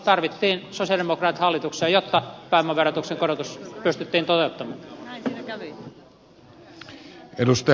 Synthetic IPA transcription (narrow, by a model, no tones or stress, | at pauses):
t̪ɑrʋit̪ːiːnsosiɑdemokrɑːt̪hɑlːit̪ukseːjot̪ːɑpæˑimːɑʋerɑt̪ukseŋkoɾot̪uspyst̪yt̪ːiːnt̪ot̪eut̪ːɑmɑː | edust̪ɑ